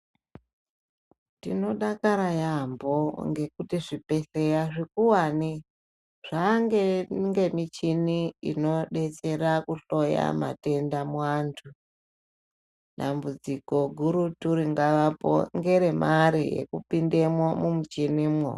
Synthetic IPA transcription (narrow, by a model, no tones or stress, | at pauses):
tino̞ɗakaɾajamboŋɡe̞kutiʐipe̞ɬejaʐikuwani | ʐ̥aŋɡeŋɡe̞mit͡ʃiniino̞ɗe̞t͡se̞ɾakuɬo̞ja̰ma̰te̞ndamwwantʰu | ɗambud͡ziko̞ɡʱuɾutuɾiŋɡaʋapo̰ŋɡe̞ɾe̞mʔaɾijḛkupindemwomumut͡ʃinimwo̰